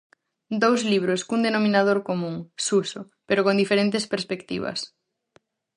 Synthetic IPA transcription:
d̪owzliβ̞ɾoskund̪enomĩnað̞oɾkomũŋsuso | peɾokond̪ifeɾent̪espeɾspekt̪ḭβ̞ɐ̰s

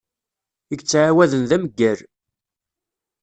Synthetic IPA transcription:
əɡt͡sːʕawæðənðæməɡːæɾ

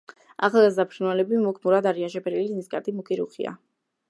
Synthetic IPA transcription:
a̰χalˠɡazd̪apʰɾinwalɛbimukʰmuɾad̪aɾianʃɛpʰɛɾiliniskʼa̰ɾd̪ʼimukʼiɾuχḭa̰

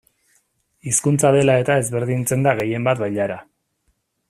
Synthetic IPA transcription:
iskunt͡saðe̞lae̞t̪ae̞zβe̞ɾðint͡se̞nd̪aɣe̞je̞mbat̪βajʎaɾa

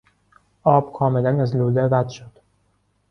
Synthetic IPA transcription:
ʔɒːb̥kʰɒːmelænæzluːlebæd̪ʃod̪̥

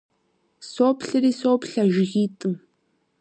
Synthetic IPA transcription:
soːpɬɨɾiːsoːpɬɐʒɪɣiːtʼɨm

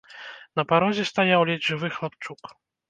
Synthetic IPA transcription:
nɐpaɾɔzʲɛst̪ajawlʲɛdʲʐɨvɨxlˠapt͡ʂuk

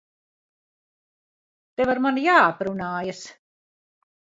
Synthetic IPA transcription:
t̪ɛvaɾmanjaːpɾunaːjas

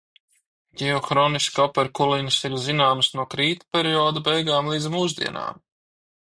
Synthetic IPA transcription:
ɟʲɛɔxɾɔːniskɔpɛɾkulinsiɾzinaːmsnuɔkɾiːt̪pʲɛɾiɔːd̪ubɛjɡaːmlˠiːd̪zmuːzd̪ḭɛna̰ːm

